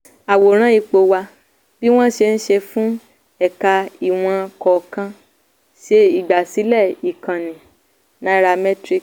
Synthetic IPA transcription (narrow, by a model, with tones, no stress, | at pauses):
a˨wo˨ɾ̃ã˦i˧k͡po˧wa˧ | b̥i˦w̃ɔ̃˦ʃe˧n̩˦ʃe˧fũ˦ | ɛ˦˨ka˧i˨w̃ɔ̃˧kɔ˨kã˧ | ʃe˧i˦˨ɡ͡ba˨si˨˦lɛ˦˨i˨kã˨nĩ˨ | nã˦˧ɾa˧mɛ˦tɾi˦k